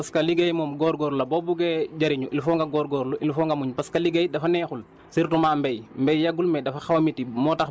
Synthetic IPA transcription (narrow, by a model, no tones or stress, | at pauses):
pɐskɐliɡɐjmɔːmɡɔːɾɡɔːɾlɐbɔbuɡɛɟɐɾiɲuʔilfɔŋɡɐɡɔːɾɡɔːɾluʔilfɔːŋɡɐmuɲpɐskɐliɡɐjdɐfɐnɛːxul | siɾtumaːmbɛjmbɛjjɐɡulmɛdɐfɐxɐwɐmitimɔːtɐx